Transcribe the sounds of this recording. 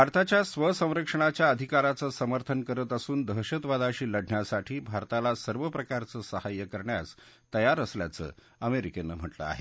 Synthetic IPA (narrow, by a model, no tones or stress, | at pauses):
bʱaɾt̪at͡ɕjasʋəsə̃w̃ɾəkʂəɳ̃at͡ɕjaəd̪ʱikaɾat͡səsəməɾt̪ʰənkəɾət̪əsuːnd̪ʱəɦɕət̪ʋad̪aɕiːləɽɳjasaʈʰiːbʱaɾt̪alasəɾʋəpɾəkaɾt͡səːsəhajəkəɾɳja̰s | t̪əjaɾəslja̰t͡sə̰ː | əmeɾikenːəm̤əʈlə̰a̰ɦḛ